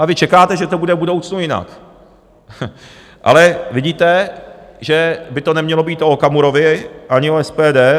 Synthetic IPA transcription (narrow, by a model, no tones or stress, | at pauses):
avɪt͡ʃɛkaːt̪ɛʒɛt̪o̞budɛbudo̞wt͡snujɪna̰k | ʔa̰lɛvɪɟiːt̪ɛ | ʒɛbɪt̪o̞nɛmɲɛlo̞biːt̪ʔo̞kamuɾo̞vɪʔaɲɪoɛspɛːdɛː